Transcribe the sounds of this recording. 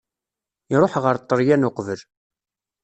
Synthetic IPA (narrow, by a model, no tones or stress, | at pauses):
iɾˤoħʁəɾt̪ˤːəɾjænoqvəl